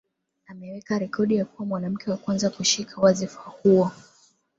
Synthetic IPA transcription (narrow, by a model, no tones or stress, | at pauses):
amɛwɛkaɾɛkʰɔɗijakuwamwanam̩kʰɛwakwanzakuʃikʰawazifahuɔ